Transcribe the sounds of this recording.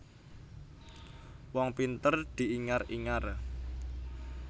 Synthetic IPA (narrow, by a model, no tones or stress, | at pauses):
wɔŋpint̪ərd̪̥i̤ʔiŋariŋar